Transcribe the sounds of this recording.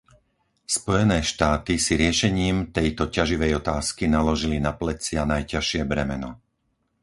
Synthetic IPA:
spɔjɛnɛːʃt̪aːt̪isiɾɪɛʃɛɲiːmt̪ɛjt̪ɔcaʒiʋɛjɔt̪aːskinalɔʒilinaplɛt͡sɪanajcaʃɪɛbɾɛmɛnɔ

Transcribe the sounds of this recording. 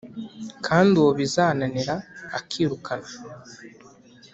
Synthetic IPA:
kʰaːndioβizaːnaniɾa̰ːkʰiːɾukʰana

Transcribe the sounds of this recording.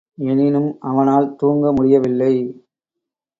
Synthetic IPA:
ɛnɪnɯmɐʋɐnaːlt̪uːŋɡɐmʊɽɪjɐʋɪlːɐɪ

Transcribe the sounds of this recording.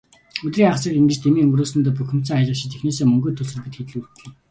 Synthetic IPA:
ɵt̪riːŋaʁsiːkiŋɡĕt͡ɕt̪ʰemiːŋɵŋɡroːsɘ̆nt̪ɔːpuxʲɪ̆m̥t͡sœːŋajʁə̆ʃɪ̆t͡ɕexneːseːmɵŋɡɵːt̪ʰɵsɵ̆ɮpĭt̪xet̪ɮu̥t̪ɮɘ̆

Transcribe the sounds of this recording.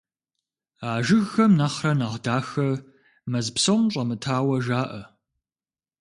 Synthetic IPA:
aːʒɪɣːɐmnɐχrɐnaʁdaːxɐ | mɐzpsowmɕʼɐmɨtʰaːwɐʒaːʔɐ

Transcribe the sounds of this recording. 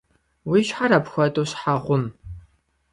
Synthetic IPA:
wiʃħaɾapxʷɐtʼoɕħaʁʷʊm

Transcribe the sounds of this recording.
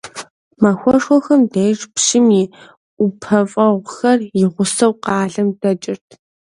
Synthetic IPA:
mɐxʷɔʂɔxɐmdejʂʼpʃɪmiː | ʊpʰɐfʼɐʁʷxɐrjɪʁʷʊsɐwqɑːɮɐmdɐt͡ʃʼɪrtʰ

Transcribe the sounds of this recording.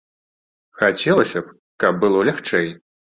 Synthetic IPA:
xat͡sʲɛlˠɐsʲɐp | kɐb̚bɨlˠɔlʲaxt͡ʂɛj

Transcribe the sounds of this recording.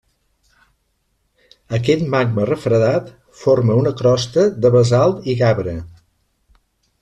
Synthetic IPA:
əkɛt̪maɡmərəfɾəðat̪ | foɾməunəkɾɔst̪əd̪əβəzalˠt̪iɣaβɾə

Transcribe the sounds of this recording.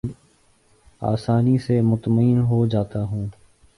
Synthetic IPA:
a̰ːsaːnisemʊt̪məiːnɦod͡ʒaːt̪aɦũː

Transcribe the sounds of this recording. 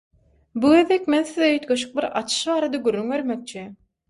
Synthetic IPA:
buɣe̞ðekmenθiðøøt̪ɡøʃ̬y̥k̚biɾɑ̰t͡ʃʰɯ̥ʃβɑːɾɑd̪ɑɡyrːyŋve̞ɾmek̚t͡ʃʰi

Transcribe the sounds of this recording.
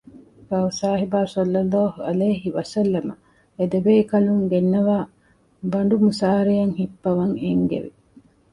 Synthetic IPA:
kɐusaːɦibaːsɐlːɐlːaːɦuɐleːɦiʋɐsɐlːɐmɐ | ed̪ebeːkɐluŋɡenːɐʋaː | bɐɳɖumusaːɾijɐŋhipːɐʋɐŋeŋɡḛʋḭ

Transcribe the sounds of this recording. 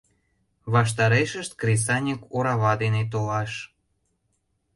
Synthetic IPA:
βɑʃ̬t̪ɑɾeʃəʃt̪kris̬ɑnʲikuɾɑβɑd̪enet̪olɑʃ

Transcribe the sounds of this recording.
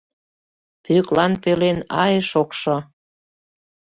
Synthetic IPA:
pyklɑnpelenɑ̰jeʃokʃo

